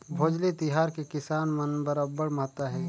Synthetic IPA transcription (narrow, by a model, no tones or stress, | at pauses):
bʱoːd͡ʒlet̪ɪɦaːɾkekɪsaːnmənbəɾaːbːəɽmaɦt̪aɦɛː